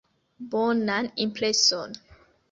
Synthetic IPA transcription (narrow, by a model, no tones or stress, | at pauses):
bɔnãnĩmpʰlesɔn